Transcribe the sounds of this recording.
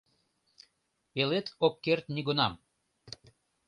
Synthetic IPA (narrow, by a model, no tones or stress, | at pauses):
elet̪okːert̪niɡonɑm